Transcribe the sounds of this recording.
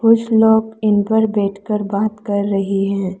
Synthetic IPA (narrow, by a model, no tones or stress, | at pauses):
kʊt͡ʃʰloːɡɪnpəɾbɛːʈʰkəɾbaːt̪kɐɾːɐɦiɦɛ̃ː